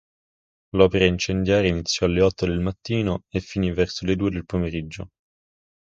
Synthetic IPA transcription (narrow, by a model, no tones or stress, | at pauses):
lɔpeɾaint͡ʃend̪jaːɾeinit̪sːjɔalːeɔt̪ːod̪elmat̪ːiːnoefːinivɛrsoled̪uːed̪elpomeɾid͡ʒːo